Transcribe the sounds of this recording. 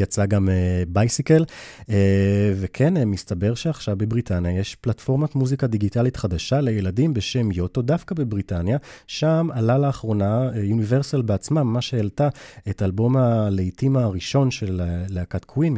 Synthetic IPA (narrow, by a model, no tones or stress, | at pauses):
jat͡saɡamebajsikelevekʰenmistabeʁʃeaχʃavbe̞bʁitʰanjajeʃplatfo̞ʁmatmuzikadiɡitalitχadaʃalejeladimbe̞ʃe̞mjo̞to̞dafkabe̞bʁitanjaʃamalalaːχʁo̞najuniveʁsalbeat͡smamːaʃeeltaetalbo̞maleitimaʁiʃo̞nʃe̞leːeakatkʰwin